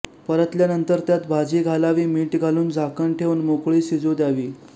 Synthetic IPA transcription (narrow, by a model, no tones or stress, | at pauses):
pəɾət̪ljanənt̪əɾt̪jat̪bʱad͡ʑiːɡʱalaʋiːmiːʈɡʱaluːnd͡zʱakəɳʈʰeʋnmokɭiːsid͡zod̪jaʋiː